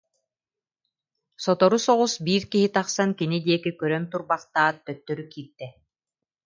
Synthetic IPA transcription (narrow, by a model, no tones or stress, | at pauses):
sɔt̪ɔɾusɔʁusbiːɾkiɦit̪aχsankinid̪iɛkikœɾœnt̪uɾbaqt̪aːt̪̚ːœt̪ːœɾykiːɾt̪ːɛ